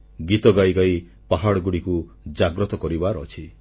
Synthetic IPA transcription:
ɡit̪ɔɡajɡaj | paɦaɽɔɡuɽiku | d͡ʒaɡɾɔt̪ɔkɔɾibaɾɔt͡ʃʰi

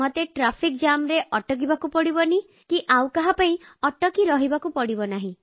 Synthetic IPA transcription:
mot̪eʈɾapʰikd͡ʒamɾeʔɔʈɔk̬ibakupɔɽibɔni | kiʔaw̃kaɦapaĩɔʈɔkiɾɔɦibakupɔɽibɔnaɦĩ

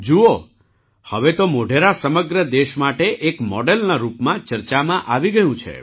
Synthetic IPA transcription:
d͡ʒuo | həʋet̪omoɖʱeɾasəməɡɾəd̪eʃmaʈeʔekmɔ̰ɖelnaɾupmãt͡ʃəɾt͡ʃamãʔaʋiɡəjũt͡ʃʰḛ

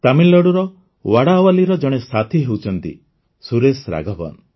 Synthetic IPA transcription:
t̪amilːɔɽuɾɔ | waɽawaliɾɔd͡ʒɔɽ̃esat̪ʰiɦewt͡ʃʰɔnt̪ḭ | suɾesɾa̰ɡʱɔbɔ̰n

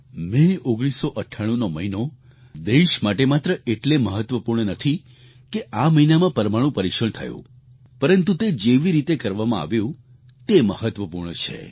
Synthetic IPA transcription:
mẽoɡɽ̃isoʔəʈʰːaɽ̃ũnoməino | d̪eʃmaʈemat̪ɾəʔeʈleməɦət̪ʋəpuɾɳ̃ənət̪ʰi | keʔaməinamãpəɾmaɽ̃ũpəɾikʃəɳt̪ʰəjṵ̃ | pəɾənt̪ut̪ed͡ʒeʋiɾit̪ekəɾʋamãa̰ʋjũ | t̪eməɦət̪ʋəpuɾɳət͡ʃʰḛ

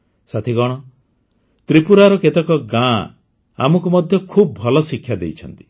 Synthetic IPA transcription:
sat̪ʰiɡɔɽ̃ɔ | t̪ɾipuɾaɾɔket̪ɔkɔɡã | a̰mɔkumɔd̪ʱjɔkʰubɔbʱɔlɔsikʰːjad̪ejt͡ʃʰɔnt̪i̥

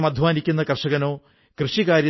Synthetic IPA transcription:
mɐd̪ʱʋaːnikʲːunːɐkɐrʂɐɣɐnoː | krɨʂikaːɾjɐ

